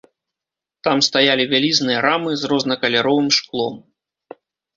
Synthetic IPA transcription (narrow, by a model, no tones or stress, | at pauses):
t̪amst̪ajalʲivʲalʲiznɨjɐɾamɨzrɔznɐkɐlʲaɾɔvɨmʂklˠɔm